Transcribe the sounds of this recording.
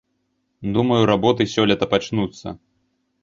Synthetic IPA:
d̪umɐjuɾabɔt̪ɨsʲɔlʲɐt̪ɐpat͡ʂnut̪sːɐ̰

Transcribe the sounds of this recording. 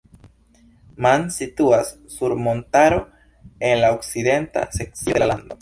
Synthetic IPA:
mansituasːuɾmo̞ntaɾo̞ | e̞nlaokside̞nta̰se̞k̚t͡sioalando̞

